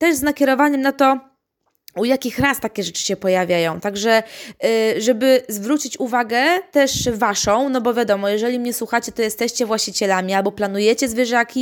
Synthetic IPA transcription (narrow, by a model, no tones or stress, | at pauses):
t̪ɛʐznakʲɛɾɔvaɲɛmnat̪ɔ | ujakʲixɾast̪akʲɛʐɛt͡ʂɘ̥ɕɛpɔjavʲjajɔ̃w̃t̪aɡʐɛ | ʐɛbɘzvɾut͡ɕit͡ɕuvaɡɛt̪ɛʂvaʂɔ̃w̃nɔbɔvʲjad̪ɔmɔjɛʐɛlʲimɲɛswuxat͡ɕɛt̪ɔjɛst̪ɛɕt͡ɕɛvwaɕt͡ɕit͡ɕɛlamʲialbɔplanujɛt͡ɕɛzvʲjɛʐakʲi